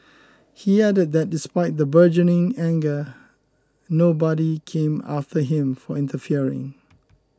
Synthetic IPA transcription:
hiædəd̚ðɛt̚dɪspaɪt̚d̪əbɜd͡ʒənɪ̃ŋɛ̃ŋɡə | nobɔɾikʰẽma̰ftəɦɪ̃mfɔɪ̃ntəfiɹɪ̰̃ŋ

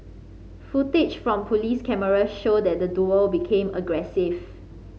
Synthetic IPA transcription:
futit͡ʃfɹɔ̃mpʰoliskɛməɹaʃod̚dɛt̚dəduəlbikʰẽməɡɹɛsiv

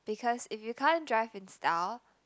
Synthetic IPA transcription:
b̥ɪkʰɔsɪfjukʰãndɹaɪvɪ̃nstʰal

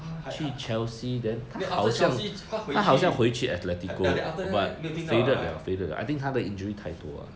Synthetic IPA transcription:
t͡ʃʰyt͡ʃʰɛlsidɛ̃nt̪ʰahaʊsjãŋʰ | aɦaʊsjãŋxweɪt͡ʃʰyʔɛt̪lɛtikobat̚fedətla̰fedətʔa̰jt̪ĩŋt̪ʰadəĩnd͡ʒəɹit̪ʰaɪt̪wɔ̰a̰

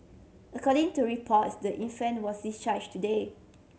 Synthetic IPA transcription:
əkʰɔɾĩŋtuɹipʰɔtdəʔĩnfɛ̃nwɔsdist͡ʃad͡ʒtude

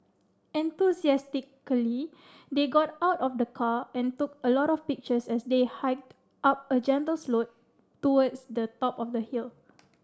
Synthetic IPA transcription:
ɛ̃nt̪usiɛstikəli | deɡɔtawtɔfdəkʰaɛ̃ntukəlɔɾɔfpik̚t͡ʃəsɛsdehaɪk̚d | ʔap̚əd͡ʒɛ̃ntəlslot̚ː | uwədsdətɔpɔfdəhil

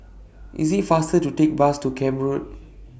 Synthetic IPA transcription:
ʔḭsitfastətutek̚bastukʰɛ̃mɹud̚

